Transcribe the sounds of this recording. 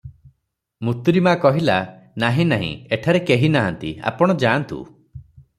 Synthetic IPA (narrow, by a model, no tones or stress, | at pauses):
mut̪uɾimaːkɔɦila | naɦĩnaɦḭ̃eʈʰaɾekeɦinaɦant̪ḭa̰pɔɽ̃ɔd͡ʒant̪ṵ